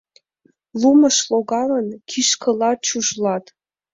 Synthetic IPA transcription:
luməʃloɣɑlənkʰiʃkʰə̆lɑt͡ɕuʒlɑt̪

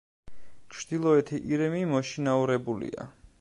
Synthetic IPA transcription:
t͡ʃʰd̪̥ilˠɔɛt̪ʰiʔiɾɛmimɔʃinauɾɛbulḭa̰

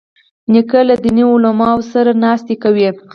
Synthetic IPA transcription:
nikalad̪iniʊlamɑwsaɾanɑst̪ikawi

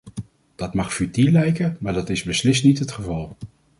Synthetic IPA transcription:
d̥ɑtmɑχfytilɛjkəmaːɹdɑtɪzbəslɪstnitɦətχəvɑlˠ

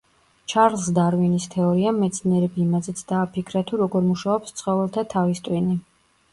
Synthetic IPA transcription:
t͡ʃʰaɾlˠsd̪aɾvinist̪ʰɛɔɾiamːɛt̪sʰniɛɾɛbiːmazɛt̪sʰd̪aːpʰikʰɾat̪ʰuɾɔɡɔɾmuʃaɔpst̪sʰχɔvɛlˠt̪ʰat̪ʰavist̪ʼwini

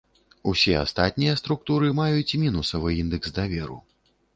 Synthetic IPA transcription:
usʲɛa̰st̪at̪̚ʲnʲijɐst̪ɾuk̚t̪uɾɨmajut͡sʲmʲinusɐvɨind̪ɛkzd̪avʲɛɾṵ

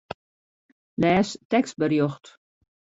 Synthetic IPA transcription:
lɛːstɛkst̚bərjoxt

